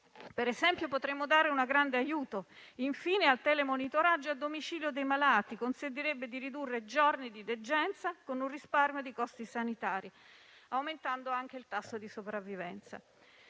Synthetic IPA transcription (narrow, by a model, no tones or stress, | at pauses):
peɾezɛmpjopot̪ɾemːod̪aːɾeunaɡɾand̪eajuːt̪oiɱfiːnealt̪ɛːlemonit̪oɾad͡ʒːoad̪ːomit͡ʃiːljod̪ejmalaːt̪ikonsent̪̬iɾebːed̪iɾid̪urːed͡ʒɔrnid̪id̪ed͡ʒːɛnt̪sakonunrisparmjod̪ikɔst̪isanit̪aːɾi | awment̪and̪oaŋk̟eilt̪asːod̪isopɾavːivɛ̰nt̪sa̰